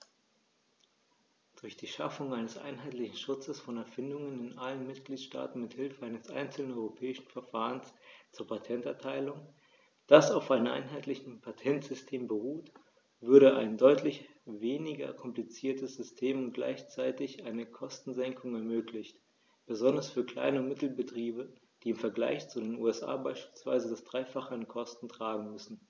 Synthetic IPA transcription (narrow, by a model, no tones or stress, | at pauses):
d̥ʊɐçd̥iːʃa̰fʊŋaɪnəsʔa̰ɪnɦaɪtlɪçn̩ʃʊt͡səsfɔnɛɐfɪndʊŋənɪnʔalənmɪt̚ɡ̥liːtʃta̰ːtn̩mɪthɪlfəaɪnəsʔa̰ɪnt͡sl̩nənɔʏʁopʰɛːɪʃn̩fɛɐfaːʁənst͡suːɐpʰatʰɛntɛɐtʰaɪlʊŋ | d̥asaʊfʔaɪnəmʔa̰ɪnɦaɪtlɪçn̩pʰatʰɛntz̥ʏstʰeːmbəʁuːt | v̥ʏɐɾəʔa̰ɪndɔʏtʰlɪç | veːnɪɡɐ̰kʰɔmplit͡siːɐtəsz̥ʏstʰeːmʊnt̚ɡ̥la̰ɪçt͡saɪtɪçʔaɪnəkʰɔstn̩zɛŋkʰʊŋɛɐmøːklɪçt | b̥əzɔndɐsfyːɐkl̥a̰ɪnəmɪtl̩bətʁ̥iːbə | d̥iːɪmfɛɐɡla̰ɪçt͡sudeːnṵːɛsʔa̰ːbaɪʃpiːlsv̥a̰ɪzədasd̥ʁaɪfaχəənkʰɔstn̩tʁ̥aːɡŋ̩mʏsn̩